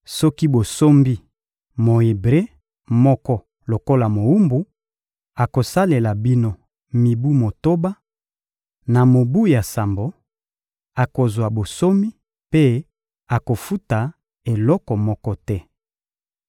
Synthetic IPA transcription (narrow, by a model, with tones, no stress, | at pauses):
sɔ˦ki˦bo˨so˦mbi˦ | mo˨e˨bʁe˦ | mɔ˦kɔ˦ | lo˨ko˦la˨mo˨u˦mbu˦ | a˨ko˨sa˦le˨la˨bi˦no˦ | mi˨bu˦mo˨to˦ba˦ | na˨mo˨bu˦ja˨sa˨mbo˨ | a˨ko˨zwa˨bo˨so˦mi˦ | pe˦ | a˨ko˨fu˦ta˨ | e˨lɔ˦kɔ˨mɔ˦kɔ˦tɛ˦